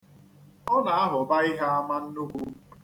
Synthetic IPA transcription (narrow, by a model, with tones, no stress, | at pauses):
ɔ˦na˨a˦ɦʊ˨ba˦i˦ɦa˦a˦ma˦n̩˦nʊ˦kʷu˦